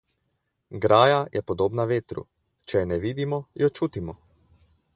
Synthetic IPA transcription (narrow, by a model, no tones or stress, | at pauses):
ɡɾaːjajʔɛpɔd̪oːbnaʋeːt̪ɾṵ | t͡ʃɛjnɛʋiːd̪imɔjɔt͡ʃuːt̪imɔ